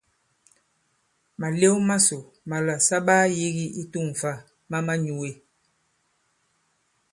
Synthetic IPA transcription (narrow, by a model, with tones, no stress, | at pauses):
ma˨le˦wma˦so˨ | ma˨la˨sa˦ɓaː˦ji˦ɣi˦i˦tu˦˨ŋ˨fa˦˨ | ma˦ma˦ɲu˨we˨